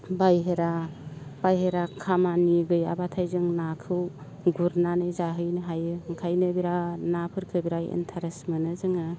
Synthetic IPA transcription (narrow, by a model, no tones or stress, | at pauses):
bajɦeɾab̥ajɦeɾakʰamaniɡɯja̰batʰajzɯŋnakʰɯw | ɡuɾnanɯjzaɦɯjnɯɦajɯŋkʰajnɯbiɾanapʰɯɾkʰɯbiɾajɯ̰ntʰaɾasmɯnɯzɯŋɯ